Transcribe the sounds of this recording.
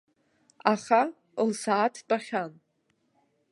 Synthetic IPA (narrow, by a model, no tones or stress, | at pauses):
aχa | lsaːtʰbʼaχʲan